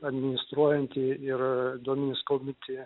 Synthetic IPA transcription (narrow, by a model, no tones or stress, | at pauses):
ɐd̪ʲmʲɪnʲɪst̪ɾuɔjɛnʲt̪ʲɪɪɾd̪oɔmʲɪnʲɪskoʊmʲɪnʲt̪ʲɪ